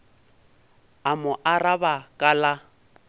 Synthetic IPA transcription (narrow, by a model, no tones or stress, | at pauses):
amʊʔarabakʼala